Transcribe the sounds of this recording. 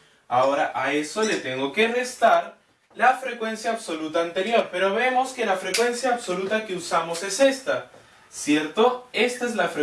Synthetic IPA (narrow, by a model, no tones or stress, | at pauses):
ao̞ɾaʔae̞so̞le̞t̪e̞ŋɡo̞ke̞re̞st̪aɾ | lafɾe̞kwe̞nsjaːβso̞lut̪aːnt̪e̞ɾjo̞ɾpe̞ɾo̞βe̞mo̞ske̞lafɾe̞kwe̞nsjaːβso̞lut̪ake̞usamo̞se̞se̞st̪a | sje̞ɾt̪o̞e̞st̪aezlafɾe